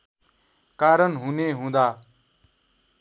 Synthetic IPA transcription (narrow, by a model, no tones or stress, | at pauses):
kaɾʌnɦuneɦũd̪a